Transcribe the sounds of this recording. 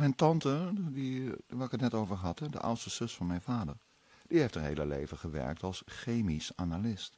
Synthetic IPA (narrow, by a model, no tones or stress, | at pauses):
mɛjntɑntədiʋaːɹɪkətnɛtowvəɹɦɑtɦɛdə̰ʔʌ̰wtstəz̥ɵsfɑnmɛjnvaːdəɹ | d̥iɦejftənɦḛjləlḛjvəχəʋɛ̰ɹk̚tɑlˠsχejmisaːnalɪst